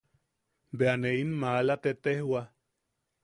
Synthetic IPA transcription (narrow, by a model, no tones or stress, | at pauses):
beaneinmalat̪et̪ehwa